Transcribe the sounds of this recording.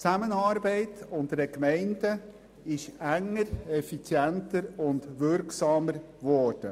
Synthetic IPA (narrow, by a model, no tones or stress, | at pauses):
t͡sæmənɑːɾbɛɪtʊndəɾəkmɛɪndə | ɪʃæŋːəɾɛfit͡sjɛntəɾʊndʋʏɾksɑːməɾ | vɔːɾd̥ə